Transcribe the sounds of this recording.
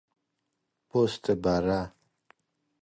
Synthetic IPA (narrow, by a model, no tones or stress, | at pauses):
post̪əbaɾa